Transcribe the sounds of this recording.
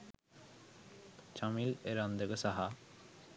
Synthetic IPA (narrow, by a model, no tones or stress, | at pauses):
t͡ʃamileɾand̪əɡəsaɦa